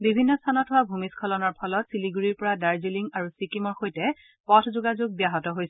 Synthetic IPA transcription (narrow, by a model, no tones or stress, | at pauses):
bibʱinːɔstʰanɔtɦʊwabʱumiskʰɔlɔnɔɹpʰɔlɔtsiliɡuɹiɹpɔɹadaɹziliŋaɹusikimɔɹxojtɛ | pɔtʰzʊɡazʊɡ̚bijaɦɔtɔɦojsɛ